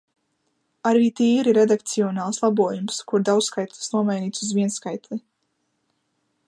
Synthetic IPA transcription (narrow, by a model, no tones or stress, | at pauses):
aɾviːt̪iːɾiɾed̪ak̚t̪siɔnaːlˠslˠabuɔjumskuɾd̪awsskajt̪lˠi̥snuɔmajniːt̪suzviɛnskajt̪li